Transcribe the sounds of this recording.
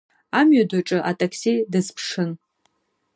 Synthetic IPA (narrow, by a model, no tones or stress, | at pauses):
amɥadaʈ͡ʂʼɨʔatʼakʰsidɨzpʰʂɨn